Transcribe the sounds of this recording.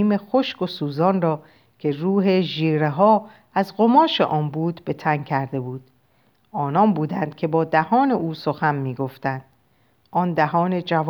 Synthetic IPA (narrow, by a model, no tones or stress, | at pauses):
iːme̞xoʃkosuːzɒːnrɒː | kcʲʰe̞ruːɦe̞ʒiːɾeɦɒː | æzɢomɒːʃe̞̰ʔɒːnbuːd̪be̞t̪ʰæŋcʰæɾd̪e̞buːd̪̥ | ɒːnɒnbuːd̪ænd̪̥̚cʲʰe̞bɒːd̪æhɒːne̞ʔuːso̞xænmiːɡo̞ft̪ænd̪̥ | ʔɒːnd̪æɦɒːne̞d͡ʒæv